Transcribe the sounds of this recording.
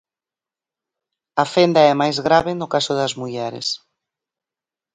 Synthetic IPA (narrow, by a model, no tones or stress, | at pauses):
ɐfend̪ɐɛmajzɣɾaβɪnʊkasʊðɐzmuʎɛɾɪ̰s